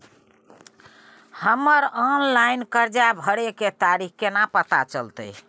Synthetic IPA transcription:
həməɾɔnlainkəɾd͡ʒabʱəɽeket̪aɾikkenapət̪at͡ʃəlt̪ə̰j

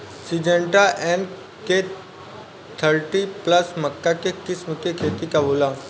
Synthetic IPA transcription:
sid͡ʒə̃ɳʈaʔen | ke | t̪ʰəɾʈipləsməkːakekɪsməkekʰeːt̪ikabolã

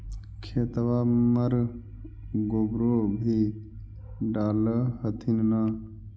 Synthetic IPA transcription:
kʰeːt̪ʋaməɾ | ɡobɾobʱi | ɖaːləɦət̪ʰinna

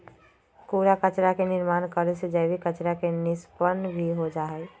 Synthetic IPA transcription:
kuːɾakət͡ʃɾakenɪɾmaːnkəɾesed͡ʒəbikət͡ʃɾakenɪspənbʱiɦod͡ʒaːɛ

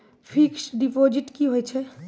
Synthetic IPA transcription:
pʰiksɖipod͡ʒiʈkiɦojt͡ʃʰɛ

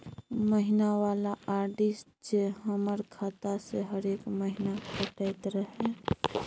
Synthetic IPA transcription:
məɦinaʋaːlaʔaːɾʈisʈd͡ʒeɦəməɾkʰaːt̪aseɦəɾeːkməɦinakʰəʈəjt̪ɾəɦɛ̃

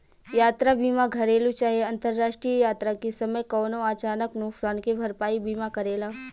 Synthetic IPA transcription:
jaːt̪ɾabiːmaɡʱɐɾeːlut͡ʃaːɦieɐ̃nt̪əɾːaːʃʈɾijəjaːt̪ɾakesɐməjkɔːnoaːt͡ʃaːnəknʊksaːnkebʱɐɾpaːibiːmakɐɾeːlaː

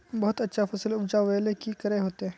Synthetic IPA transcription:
bɐɦʊt̪ɐtːʃʰafɐsəlʊbd͡ʒaʋɛːlekikɐɾeɦoːt̪eɦɛ̃ː

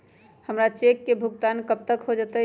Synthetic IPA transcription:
həmɾat͡ʃekːebʱʊɡt̪aːnkəb̚t̪əkɦod͡ʒat̪ə

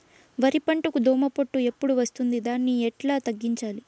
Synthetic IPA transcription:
ʋɐɾipɐɳʈukud̪ʱoːmɐpoʈːue̞pːuɽuʋɐst̪und̪id̪aːnːiɛʈlaːt̪ɐɡːiɲt͡ʃaːli

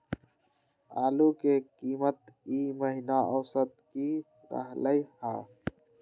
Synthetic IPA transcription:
aːlukekiːmət̪̚iːməɦinaʔəwsət̪̚ki | ɾə̰ɦləihaː

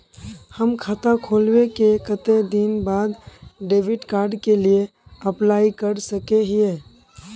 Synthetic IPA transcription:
həmkʰat̪akʰoːlwekekət̪ed̪inbaːd̪ɖeːbɪʈkaːɾɖkelie | əplaːikəɾsəkeɦie

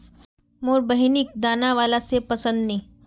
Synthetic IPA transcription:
moːɾbəɦɪnɪk̚d̪aːnaʋaːlasepɐsə̃nd̪nẽː

